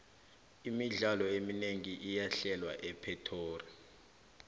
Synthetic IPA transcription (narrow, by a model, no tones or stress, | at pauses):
imiɮalɔemineŋiʔijaɬɛlwaʔɛpʰɛtʰoːri